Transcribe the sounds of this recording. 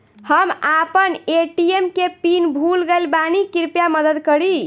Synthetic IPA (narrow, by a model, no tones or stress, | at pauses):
həmapəneʈiemkepinbʱulɡeɪlbanikiɾpjaməd̪əd̪kəɾi